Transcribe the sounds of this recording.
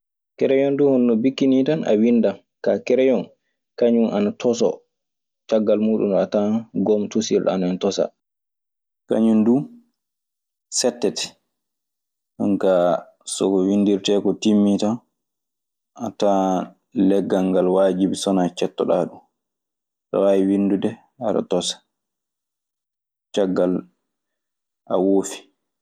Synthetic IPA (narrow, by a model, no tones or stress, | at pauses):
kɛɾɛjɔnduhɔnɗɔbikːinitanʔa̰windam | kakɛɾɛjɔn | kaɲumʔanatʰɔs̬ɔ̰ | t͡ʃaɡːalmuːɗṵnɗɔataɡɔmtusilɗ̰a̰naɛntɔsa̰ | ka̰ɲundu | sɛtːɛtɛ̥ | aŋka | sɔkɔwindiɾtɛkɔtimːita | ʔata | lɛɡːaŋɡalwaːd͡ʒibisɔnat͡ʃɛtːɔɗaɗum | ɗa̰wajiwindudɛ | haɾa̰tɔsḁ | t͡ʃaɡːal | ʔa̰woːfi̥